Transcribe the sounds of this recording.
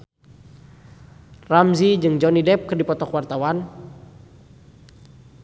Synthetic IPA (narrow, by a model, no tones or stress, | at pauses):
ramzid͡ʒɨŋd͡ʒɔnidɛp̚kɨrdipɔt̪ɔkwart̪awan